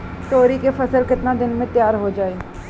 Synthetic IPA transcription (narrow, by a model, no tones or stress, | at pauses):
t̪oːɾiːkeːpʰəsəlkɪt̪nãːd̪ɪnmẽːt̪ɪjaːɾɦoːd͡ʒaːeː